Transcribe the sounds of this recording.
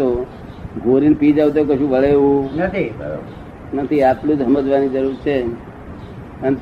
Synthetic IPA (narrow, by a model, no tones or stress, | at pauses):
o | ɡʱoɾinpid͡ʒaʋt̪̬okəʃũʋəɭeʋũnət̪ʰibəɾo̰ | nət̪ʰiaplũd͡ʒɦəməd͡ʒʋanid͡ʒəɾuɾt͡ʃʰe | ən